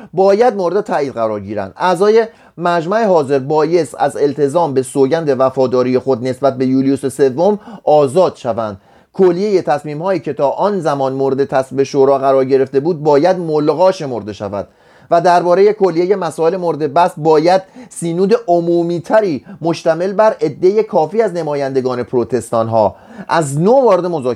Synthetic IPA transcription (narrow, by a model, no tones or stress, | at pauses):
bɒːjæd̪̚moɾe̞d̪et̪ʰæːiːd̪ɢæɾɒːɾɟiːɾæ̰nd̪̥ʔæzɒːje̞ | mæd͡ʒmæehɒːze̞ɾbɒːje̞st̪æ̰ze̞lt̪ʰe̞zɒːmbe̞soːɟænd̪e̞væfɒːd̪ɒːɾije̞xo̞d̪ne̞sbæt̪̚ʰbe̞juːlijusese̞vːo̞mɒːzɒːd̪̥ʃævænd̪̥ | kʰolːije̞je̞t̪ʰæsmiːmhɒːiːcʰe̞t̪ʰɒːʔɒːnzæmɒːnmoɾe̞d̪e̞t̪ʰæsbe̞ʃoɾɒːɣæɾɒːɾɟe̞ɾe̞ft̪e̞buːd̪̚bɒːjæd̪molɣɒːʃe̞mo̞ɾd̪e̞ʃæ̰væ̰d̪̥ | væd̪æɾbɒːɾe̞je̞kʰo̞lːije̞je̞mæsɒːe̞lemoɾed̪e̞bæsbɒːjæd̪̥siːnuːd̪e̞ʔomuːmiːt̪ʰæɾiːmo̞ʃt̪æme̞lbæɾe̞d̪ːe̞je̞kʰɒːfiːæzne̞mɒːjænd̪e̞ɡɒːne̞pʰɾo̞t̪ʰe̞st̪ɒːnɦɒː | ʔæznovɒːɾed̪e̞mo̞zɒː